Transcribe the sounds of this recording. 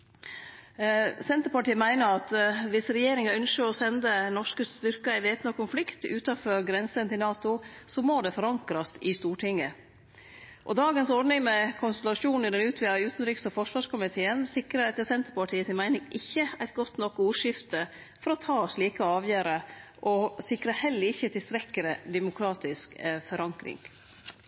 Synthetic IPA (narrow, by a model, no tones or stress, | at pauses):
sɛnt̪əɾpɑʈiːəmæɪnəɾɑt̪ʋɪsɾɛjeːɾɪŋɑœnʃəɔsɛnd̪ənɔʂkəst̪ʏɾkɑɪʋeːt̪nɑkʊnflɪkt̪ʉːt̪ɑfɔɾɡɾɛnsənt̪ɪlnɑːt̪ʊsɔmoːd̪ɛfɔɾɑŋkɾɑst̪ɪst̪uːʈʰɪŋːə | ʔɔ̰d̪ɑːɡənsɔɾɖ̪nɪŋmɛkʰʊnsəlɑʂuːnɪd̪ɛnʉːt̪ʰʋiːʉːt̪n̩ɾiːkskəfɔʂʋɑːʂkʊmɪt̪ʰeːənsɪkɾəɾɛt̪ːəsɛnt̪ɾəpɑʈʰiːəsɪmæɪnɪŋʔɪçːəæɪt̪ɡɔt̪ːnɔkːuːʂɪft̪ə | fɔɾɔt̪ʰɑːɔsliːkəɑːʋjøːɾəʔɔsɪkɾɑhɛlːəɾɪçːət̪ɪlst̪ɾɛkːəɾəd̪ɛmʊkʰɾɑːt̪ɪskfɔɾɑŋkɾɪ̰ŋ